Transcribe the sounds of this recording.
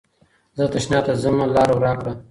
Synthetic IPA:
zət̪aʃnɑt̪azəmalɑːɾawɾɑkɽa

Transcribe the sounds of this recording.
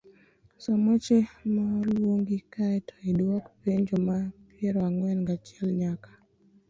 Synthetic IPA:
sɔmɔt͡ʃemalwoŋɡikaɛtʰɔiɗɔkpeɲd͡ʒɔmapjɛɾɔaŋwɛnŋɡat͡ʃɛlɲakḁ

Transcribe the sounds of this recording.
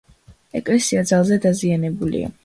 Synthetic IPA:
ɛkʼlɛsiad̪zalˠzɛd̪azianɛbulḭa̰

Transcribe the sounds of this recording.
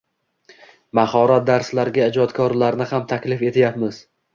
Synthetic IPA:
mahɒɾat̪̚d̪aɾslaɾɡʲaɪd͡ʒɒt̪kʰɒɾlaɾnɪhamt̪ʰakʲlɪfe̞t̪ʰɪjapmɪz

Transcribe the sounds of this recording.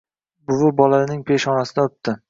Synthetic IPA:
bʊvʊbɒlaɾɪnɪŋpʰe̞ʃɒnasɪd̪aʊp̚t̪ʰɪ

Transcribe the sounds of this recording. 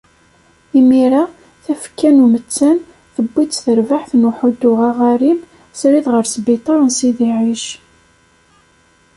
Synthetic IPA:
imiɾa | θæfkːænumət͡sːæn | θəbːit͡sθəɾvaħθnuħʊd̪ːʊʁaʁaɾim | sɾiðʁəɾsbit̪ˤɑɾˤnsiðiʕiʃ

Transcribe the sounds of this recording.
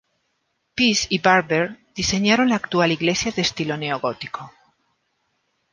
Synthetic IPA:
pisiβaɾβeɾd̪̥ise̞ɲaɾo̞nlaːkt̪ualiɣle̞sjaðest̪ilo̞ne̞oɣo̞t̪i̥ko̞

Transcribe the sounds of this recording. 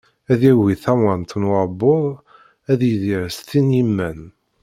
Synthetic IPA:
æðæwiθæwənt̪nwaɾˤbʊðˤ | æðjiðiɾst̪injimːæn

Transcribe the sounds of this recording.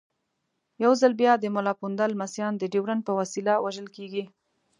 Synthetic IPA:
jawzalbjɑd̪əmʊlɑpund̪almasjɑnd̪əɖiwɾanpəwasilawaʒəlkeɡi

